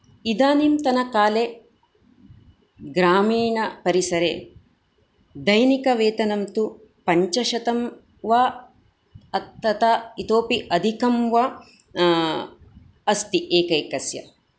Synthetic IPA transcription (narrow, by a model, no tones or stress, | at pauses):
id̪aːnimt̪ɐnɐkaːle | ɡɾaːmiːɳɐpɐɾisɐɾḛ | d̪ɐjnikɐʋeːt̪ɐnɐmt̪u | pɐɲt͡ʃɐʃɐt̪ɐm | ʋaː | ɐt̪ːɐt̪ait̪oːpiʔɐd̪ʱikɐmʋɐ | ɐst̪iʔeːkɐjkɐsjɐ̰